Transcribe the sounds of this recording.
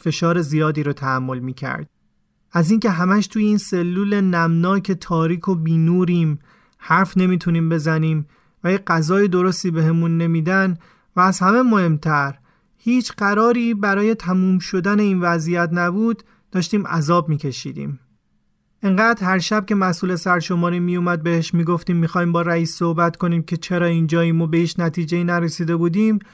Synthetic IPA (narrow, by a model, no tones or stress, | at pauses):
fe̞ʃɒːɾe̞zijɒːd̪iːɾot̪ʰææmːo̞lmiːcʰæ̰ɾd̪̥ | æziːŋce̞ɦæmæʃt̪ʰuːjeiːnse̞lːuːle̞næmnɒːcʰe̞t̪ʰɒːɾiːkʰo̞biːnuːɾiːm | hæɾfne̞miːt̪ʰuniːmbe̞zæniːm | væjeɡæzɒːje̞d̪o̞ɾo̞st̪iːbe̞ɦe̞munːe̞miːd̪æn | væːzhæme̞mohe̞mt̪ʰæɾ | hiːt͡ʃʰɢæɾɒːɾiːbæɾɒːje̞t̪ʰæmuːmʃo̞d̪æne̞iːnvæzijæt̪næbuːd̪ | d̥ːɒːʃt̪iːmæ̰zɒːb̚miːcʰe̞ʃḭːd̪ḭːm | ʔeŋɢæːd̪̥hæɾʃæb̚ce̞mæsuːle̞sæɾʃo̞mɒːɾiːmijumæd̪̚be̞heʃmiːɡo̞ft̪iːmːixɒːhiːmbɒːɾæiːsːo̞hbæt̪ko̞niːmcʰe̞t͡ʃʰeɾɒːind͡ʒɒːiːmɔbe̞hiːt͡ʃʰnæt̪ʰiːd͡ʒeiːnæɾesiːd̪e̞buːd̪iːm